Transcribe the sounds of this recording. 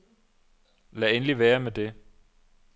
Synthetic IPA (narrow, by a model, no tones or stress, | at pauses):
læenliʋæːɐmed̥e̝